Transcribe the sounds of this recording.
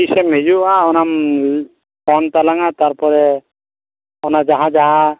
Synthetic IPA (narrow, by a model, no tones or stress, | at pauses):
isɛmhɛd͡ʒuaɔnam | kɔnt̪alaŋat̪aɾpɔɾɛ | ɔnad͡ʒaɦad͡ʒaɦa